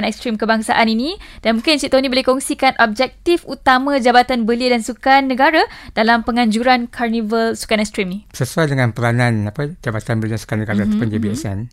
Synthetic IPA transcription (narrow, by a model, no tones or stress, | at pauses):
nɛkst̪ɾimkəbaŋsa̰ʔaninĩd̥anmũŋkɪnsiʔt̪onibolehkɔŋsikanʔɔb̚d͡ʒɛk̚t̪ifut̪amãd͡ʒabat̪anbəliədansukanːəɡaɾad̥alampəŋaɲd͡ʒuɾankʰarnivəlsu̥kanɛkst̪ɾiminisəsuajdəŋãnpəɾanãnapad͡ʒabat̪anbəlidansu̥kanːəɡaɾaat̪apʊndibiɛsɛn